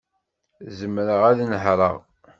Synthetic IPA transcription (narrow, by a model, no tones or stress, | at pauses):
zəmɾəʁæðnəħɾˤə̰ʁ